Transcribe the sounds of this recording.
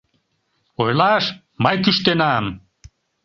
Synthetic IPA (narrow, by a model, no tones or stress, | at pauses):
ojlɑʃ | mɑjkyʃt̪enam